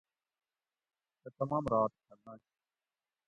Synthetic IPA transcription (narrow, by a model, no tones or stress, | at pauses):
t̪et̪əmãːmɾaːt̪kʰəɾnãːt͡ʃʰ